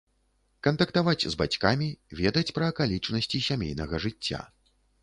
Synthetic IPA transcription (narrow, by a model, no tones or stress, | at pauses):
kɐnt̪ɐkt̪avat͡sʲzba̰t͡sʲkamʲivʲɛd̪ɐt͡sʲpɾɐːkalʲit͡ʂnɐsʲt͡sʲisʲamʲḛjnɐɣɐʐɨt͡sʲːa̰